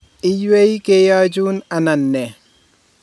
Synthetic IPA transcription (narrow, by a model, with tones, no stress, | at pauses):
ɪ˦jwe˦i˦keja˦d͡ʒu˦na˨na˨nːɛ˨